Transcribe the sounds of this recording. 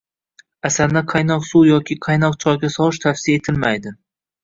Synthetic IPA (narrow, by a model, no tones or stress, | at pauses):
asanaqʰɑjnɒqsujɒkʲɪqʰɑjnɒqt͡ʃʰɒjɡʲasɒwɨʃ̬t̪ʰafsɪae̞t̪ʰɪlmajd̪ɪ